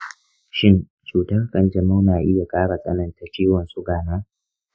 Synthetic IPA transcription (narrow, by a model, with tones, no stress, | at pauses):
ʃɪ˦n | t͡ʃuː˨tɐ˦rkʼɐ˨nd͡ʒɐ˨ma˦wnaː˨ʔɪ˦ja˨kʼaː˦ɽa˨sʼɐ̰˦nɐ˨nta˦t͡ʃʲiː˦wɐ˨nsu˦ɡaː˨naː˦